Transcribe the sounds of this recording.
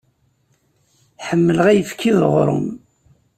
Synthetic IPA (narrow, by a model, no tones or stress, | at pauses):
ħəmːələʁæjəfkʰːiðʁɾˤʊ̰m